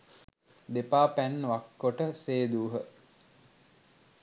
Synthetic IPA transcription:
d̪epaːpænːʋakːoʈəseːd̪uːɦə

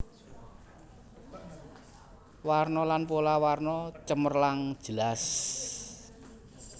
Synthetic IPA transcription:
warnɔlanpolawarnɔt͡ʃəmərlaŋd̥ʒ̥əlas

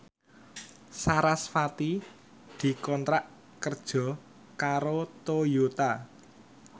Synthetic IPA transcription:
saɾasfat̪i | d̪̥i̤kɔnt̪ɾaʔ | kərd̥ʒ̥ɔ̤ | kaɾot̪ojot̪a

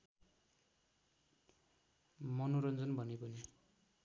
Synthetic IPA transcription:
mʌnoɾʌnd͡zʌnbʱʌnepʌni

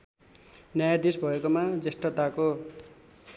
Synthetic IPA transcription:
njajad̪isbʱʌekomad͡zesʈʌt̪ako

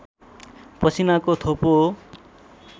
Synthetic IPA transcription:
pʌt͡sʰinakot̪ʰopo

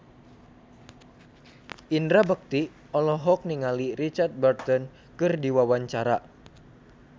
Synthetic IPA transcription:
ʔindɾabək̚t̪i | ɔlɔɦɔk̚niŋaliɾit͡ʃart̪̚bərt̪ɔn | kɨrdiwawaɲt͡ʃaɾa

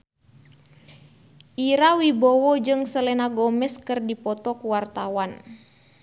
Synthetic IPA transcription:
ʔiɾawibɔwɔd͡ʒɨŋsəlɛnaɡɔmɛskɨrdipɔt̪ɔkuwart̪awan

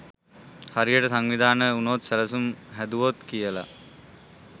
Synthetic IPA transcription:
haɾijəʈəsaŋʋid̪ʱaːnəunoːt̪səɾəsumɦæd̪uʋot̪kijəla̰

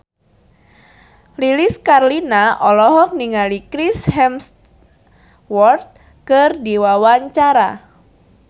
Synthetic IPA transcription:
liliskarlinaʔɔlɔɦɔk̚niŋalikɾishɛms | wɔrt̪̚ | kɨrdiwawaɲt͡ʃaɾa

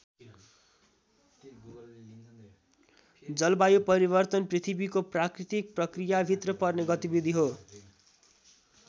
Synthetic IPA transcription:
d͡zʌlbajupʌɾibʌrt̪ʌnprit̪ʰibikoprakrit̪ik̚prʌkrijabʱit̪rʌpʌrneɡʌt̪ibid̪ʱiɦo

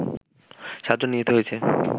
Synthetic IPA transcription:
ʃad͡ʑonːijet̪eɦoet͡ɕʰe

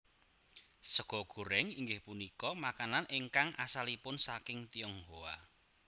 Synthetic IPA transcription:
səɡ̥ɔ̤ɡ̥ṳɾɛŋiŋɡɪhpunikɔmakananʔeŋkaŋʔa̰salipʊnsakɪŋt̪iɔŋhoa̰

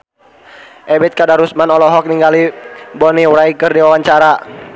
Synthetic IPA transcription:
ʔɛbɛt̪̚kadaɾusmanɔlɔɦɔk̚niŋɡalibɔniwɾajkərdiwawaɲt͡ʃaɾa

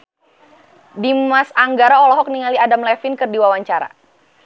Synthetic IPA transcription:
dimasaŋɡaɾaɔlɔɦɔk̚niŋaliadamlɛfɪnkɨrdiwawaɲt͡ʃaɾa̰

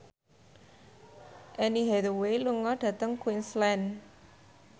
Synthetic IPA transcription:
ʔɛniɦɛɾoweluŋɔɖ̥ä̤t̪əŋkwinslɛn

